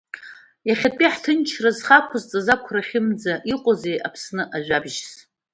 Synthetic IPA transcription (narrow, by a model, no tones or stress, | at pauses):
jaχʲapʼiħtʰɨnt͡ʃʰrazχakʷʰʊzt͡sʼazakʷʰraχʲɪmd͡zaʔiqʷʼozejʔapʰsnɨʔaʒʷᶣabʒs